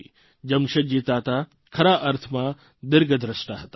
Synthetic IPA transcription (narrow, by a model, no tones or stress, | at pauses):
d͡ʒɐmʃɐd͡ʒiːt̪aːt̪a | kʰɐɾaːʔɐɾt̪ʰmaː | d̪ɪɾɡɐd̪ʱɾɐʃʈaɦɐt̪a